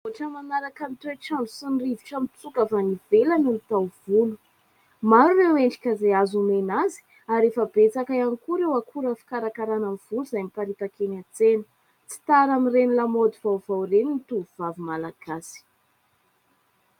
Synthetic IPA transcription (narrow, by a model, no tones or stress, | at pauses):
oʈ͡ʂəmanaɾakamit̪eʈ͡ʂaɳusinriviʈ͡ʂamit͡sukavanivelanulut̪awvulu̥ | maɾureweɳɖ͡ʐi̥kʲazeazumenazi̥ | aɾefəbet͡sakaanikuɾewakʰuɾəfi̥kaɾakaɾanamv̥ulzajmipaɾit̪akenat͡senə̥ | t͡si̥t̪aɾamirenilamod̪ivawvawreninit̪uvvavimalaɡ̥asi̥